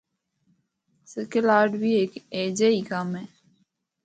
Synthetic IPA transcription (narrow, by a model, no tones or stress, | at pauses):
sɪkəlaːɖbʱieːkeːd͡ʒeikamɦɛː